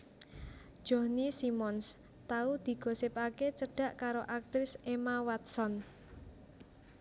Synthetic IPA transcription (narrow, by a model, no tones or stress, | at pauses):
ʒ̥ɔ̤hnisimɔns | t̪aud̪̥i̤ɡ̥o̤sɪpaket͡ʃəɖ̥ä̤ʔkaɾoʔak̚t̪ɾɪsemawat̪̚sɔn